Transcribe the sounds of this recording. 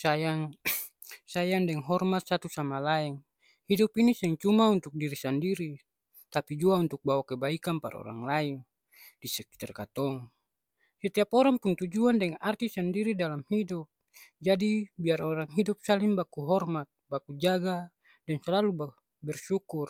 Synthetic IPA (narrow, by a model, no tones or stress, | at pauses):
sajaŋ | sajaŋdɛŋɦɔrmat̪̚sat̪usamalaɛŋ | hidupinisɛŋt͡ʃumaunt̪uk̚diɾisandiɾi | t̪apid͡ʒuaunt̪uk̚bawakɛbaikanpa̰ɾa̰ɔ̰ɾa̰ŋlain | disɛki̥t̪ɛrkat̪ɔŋ | sɛt̪iapɔɾaŋpunt̪ud͡ʒuandɛŋart̪isandiɾidalamhidup̚ | d͡ʒadibiarɔɾaŋɦidup̚salimbakuɦɔrmat̪̚bakud͡ʒaɡa | dɛnsɛlalub | bɛrsukur